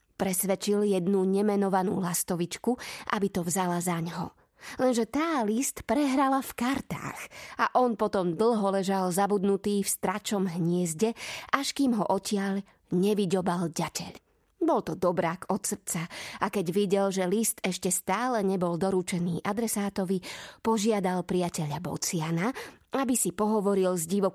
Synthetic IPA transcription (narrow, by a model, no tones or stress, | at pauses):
pɾɛsʋɛt͡ʃiljɛd̪nuɲɛmɛnɔʋanṵːlast̪ɔʋit͡ʃkuʔa̰bit̪ɔvzalazaɲɦɔ̰ | lɛnʒɛt̪aːlist̪pɾɛɦɾalafkaɾt̪a̰ːxaʔɔnpɔt̪ɔmd̪l̩ɦɔlɛʒalzabud̪nut̪iːfst̪ɾat͡ʃɔmɦɲɪɛzɟɛʔaʃkiːmɦɔʔɔcɪaʎ | ɲɛʋiɟɔbalɟacɛ̰ʎ | bɔlt̪ɔd̪ɔbɾaːkɔt̪sr̩t͡saʔakɛɟʋiɟɛlʒɛlist̪ɛʃcɛst̪aːlɛɲɛbɔld̪ɔɾut͡ʃɛniːʔad̪ɾɛsaːt̪ɔʋipɔʒɪad̪alpɾiacɛʎabɔ̰t͡sɪanaabisipɔɦɔʋɔɾilzɟiʋɔ